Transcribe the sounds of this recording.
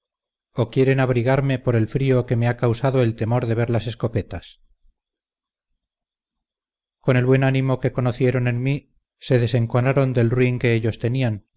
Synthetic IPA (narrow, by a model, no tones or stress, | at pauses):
o̞kje̞ɾe̞naβ̞ɾiɣaɾme̞po̞ɾe̞lfɾio̞ke̞me̞akawsaðo̞e̞lt̪e̞mo̞ɾðe̞βe̞ɾlase̞sko̞pe̞t̪as | ko̞ne̞lβwe̞nanimoke̞ko̞noθje̞ɾo̞ne̞nmi | se̞ðe̞se̞ŋkonaɾo̞nd̪e̞lrwiŋke̞eʎo̞st̪e̞nian